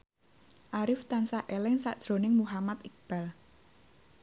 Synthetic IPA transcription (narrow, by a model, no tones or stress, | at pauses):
ʔaɾɪft̪ansaʔelɪŋsa̰ʔd̥ʒ̥ɾo̤nɪŋmuɦamat̪ɪk̚b̥al